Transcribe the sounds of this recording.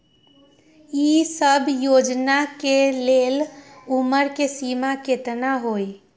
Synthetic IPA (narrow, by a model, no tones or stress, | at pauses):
isəbʱjod͡ʒnakeleluməɾkesimaket̪naɦoj